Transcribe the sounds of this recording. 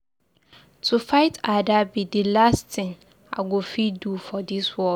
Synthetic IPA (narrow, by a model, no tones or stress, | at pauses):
tʰufaɪtadabidɪlastɪ̃ŋ | a̰ɡofidufɔdiswɔ